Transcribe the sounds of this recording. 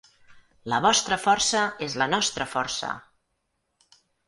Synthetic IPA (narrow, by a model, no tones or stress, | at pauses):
ləβ̞ɔst̪ɾəfɔrsəezlənɔst̪ɾəfɔ̰rsə̰